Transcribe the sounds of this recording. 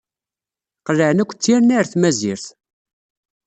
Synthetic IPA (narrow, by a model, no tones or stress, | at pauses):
qəlːəʕnækʷːt͡sːiɾnæɾθmæziɾθ